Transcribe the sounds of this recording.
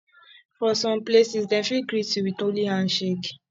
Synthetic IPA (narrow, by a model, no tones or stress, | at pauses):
fɔsɔ̃mplesisdɛ̃fikɹituwidolihãnʃek